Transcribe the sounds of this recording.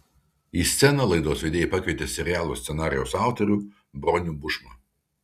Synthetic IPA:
iːsʲt̪sʲɛnɐlˠɐɪd̪oːsʋʲɛd̪ʲeːjɛːpɑːkʲɛt̪ʲeːsʲɛɾʲɪjæːlˠoːsʲsʲɛnɑːɾʲɪjɛʊsɑˑʊt̪ɔɾʲuː | bɾɔnʲuːbʊʃmɐ

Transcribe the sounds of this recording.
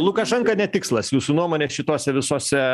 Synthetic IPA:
lˠʊkɐʃɛŋkɐnʲɛtʲɪkslˠɐsjuːsuːnuɔmoːnʲeːʃʲɪt̪oːsʲɛʋʲɪsoːsʲɛ

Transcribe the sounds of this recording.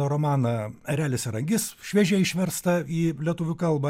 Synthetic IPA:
oɾoːmɑːnɐɐɾʲæːlʲɪsʲɛɾɐŋʲɡʲɪsʃʲʋʲiːʒʲɛɪʃʲʋʲɛɾst̪ɐiːlʲiɛt̪ʊʋʲʊkɐlˠbɐ

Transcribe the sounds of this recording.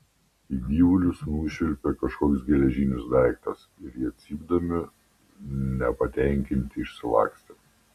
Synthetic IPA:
iːd̪ʲiːʋʊlʲʊsnuːʃʲɪlʲpʲɛkɐʃkoːkʲsɡʲɛlʲɛʒʲiːnʲʊsd̪ɐɪkt̪ɐsɪɾjiːɐt̪ʲsʲiːb̚d̪ɐmʲɪ | nʲɛpɐt̪ʲɛˑŋʲkʲɪnʲt̪ʲɪɪʃsʲɪʋɑ̰ːksʲt̪ʲɛ

